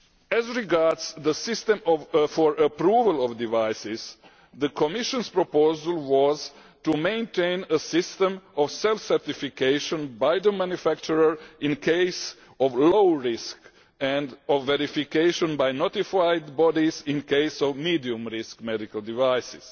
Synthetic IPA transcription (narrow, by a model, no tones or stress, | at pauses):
ɛzɹiɡaɹdz̥ðəsɪstɛ̃mɔvfɔɹʔəpɾuːvəlˠɔvdivaɪsɪz̥ | ðəkʰɔmɪʃə̃nspɹɔpoʊzəlˠwɔz | tumẽɪ̃ntʰẽɪ̃nəsɪstə̃mɔvsɛlfsɛɹt̪ifikeɪʃə̃nbajðəmæ̃njufæk̚t͡ʃuɹə˞ɪ̃nkʰeɪs | ɔvloʊɹɪsk | ɛ̃ndɔvːɛɾifikeɪʃə̃nbajnot̪ifaɪdbɔdizɪ̃nkʰeɪsɔvmiːdiũmɹɪskmɛdikəlˠdivaɪsɪz̥